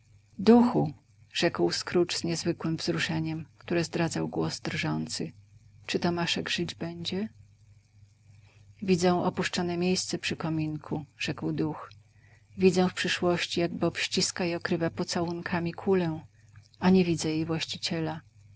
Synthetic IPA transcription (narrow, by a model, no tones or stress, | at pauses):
d̪uxu | ʐ̥ɛkwskɾut͡ʂz̥ɲɛzvɘkwɘmvzɾuʂɛɲɛmkt̪uɾɛzd̪ɾad̪zawɡwɔzd̪rʐɔnt̪sɘt͡ʂɘt̪ɔmaʂɛɡʐɘd͡ʑbɛɲd͡ʑɛ | vʲid̪zɛw̃ʔɔpuʂt͡ʂɔnɛmʲjejst̪sɛpʂɘkɔmʲinkʰuʐ̥ɛkwd̪ux | vʲid̪zɛ̃fpʂɘʂwɔɕt͡ɕijaɡ̚bɔpɕt͡ɕiskaiɔkɾɘvapɔt̪sawunkʰamʲikʰulɛ | aɲɛvʲid̪zɛjejvwaɕt͡ɕit͡ɕɛla